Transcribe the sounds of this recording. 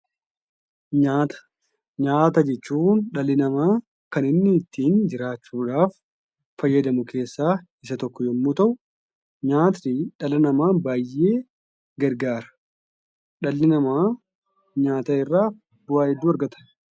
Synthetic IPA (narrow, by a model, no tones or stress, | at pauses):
ɲaːt̪ɐ̥ | ɲaːt̪ɐd͡ʒɛt͡ʃːuːnᶑɐlːɪnɐmaː | kɐnɪnːɪːt̪ʰːiːnd͡ʒɪɾaːt͡ʃːuːᶑaːfː | ɐjːɐd̪ɐmʊkʰe̞ːsːaː | ɪsɐt̪ɔkːɔjɔmːuːt̪ɐʔʊ | ɲaːt̪iᶑɐlɐnɐmaːnbaːjːʔe̞ː | ɡɐɾɡaːɾɐ̥ | ᶑɐlːɪnɐmaː | ɲaːt̪ɐɪrːaː | bʊwaːhɛd̪ːuːɐɾɡɐt̪ɐ̥